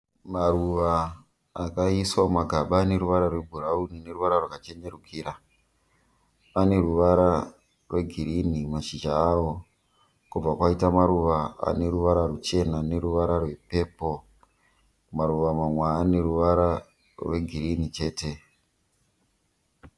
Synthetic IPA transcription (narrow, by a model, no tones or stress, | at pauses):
maruʋaː | kaiswamaɡʱaɓaːne̞ɾuʋaɾarwe̞bʱuraunine̞ruʋaɾarwakat͡ʃe̞ɲe̞rukʰiɾa | ane̞ruʋaɾa | rwe̞ɡʱiɾinimat͡ʃid͡ʒaːwo̞ | kub͡vakwaitamaɾuʋaa̰ne̞ɾuʋaɾarut͡ʃe̞nane̞ɾuʋaɾarwe̞pe̞ːpo̞ | maɾuʋamamwaːne̞ɾuʋaɾa | rwe̞ɡʱiɾinit͡ʃe̞ːte̞